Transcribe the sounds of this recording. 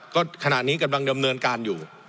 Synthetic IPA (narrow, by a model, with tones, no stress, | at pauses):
kɔː˥˩kʰa˧na˨˩ʔniː˦˥ka˧mla˧ŋda˧mnɤː˧nkaː˧njuː˨˩